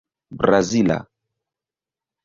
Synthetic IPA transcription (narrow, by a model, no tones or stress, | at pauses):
bɾazila̰